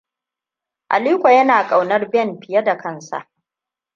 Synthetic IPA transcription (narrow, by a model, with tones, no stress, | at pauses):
ʔa̰˨liː˦kʷa˨jɐ˦naː˨kʼa˨wnɐ˦rbɛ˦˨nɸɪ˨jɐ˦da˨kʰɐ˦˨nsa̰˨ʔ